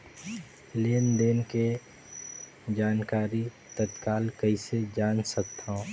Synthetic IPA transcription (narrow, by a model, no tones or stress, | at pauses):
leːnd̪eːnke | d͡ʒaːnkaːɾi | t̪ət̪kaːlkəised͡ʒaːnsək̚t̪ʰaõ